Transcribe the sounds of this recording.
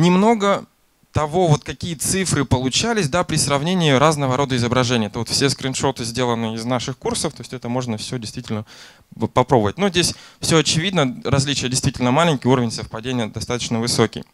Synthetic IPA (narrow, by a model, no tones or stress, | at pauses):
nʲɪmno̞ɡə | t̪ɐvo̞vo̞t̪kɐkʲijət̪sɨfɾɨpəlˠʊt͡ɕælʲɪsʲd̪apɾʲɪsɾɐvnʲenʲɪɪɾaznəvəɾʔo̞d̪əɪzəbɾɐʐɛnʲɪjəɛt̪əvo̞t̪fsʲeskɾʲɪnʂo̞t̪ɨzʲdʲelˠənɨɪznaʂɨxkursəft̪o̞sʲtʲɛt̪əmo̞ʐnəfsʲɵdʲɪjst̪ʲitʲɪlʲnə | pɐpɾo̞bəvətʲnuzʲdʲesʲfsʲoɐt͡ɕɪvʲid̪nərɐzʲlʲit͡ɕɪjədʲɪst̪ʲitʲɪlʲnəmalʲɪnʲkʲɪjuɾəvʲɪnʲsəfpɐdʲenʲɪjəd̪ɐst̪at̪ə̥t͡ɕnəvɨsokʲɪ̰j